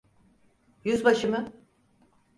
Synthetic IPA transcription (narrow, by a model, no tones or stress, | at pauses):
jyzbaʃɯmɯ